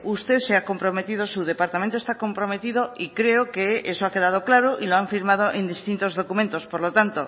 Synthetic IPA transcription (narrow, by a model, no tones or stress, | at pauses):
ust̪e̞θseako̞mpɾo̞me̞t̪ið̞o̞suð̞e̞paɾt̪ament̪ost̪ako̞mpɾo̞me̞t̪iðo̞ikɾe̞okeesoake̞ð̞að̞o̞klaɾoʔilo̞aɱfiɾmað̞o̞ʔe̞nd̪ist̪int̪o̞zðo̞kument̪o̞spoɾlo̞t̪ant̪o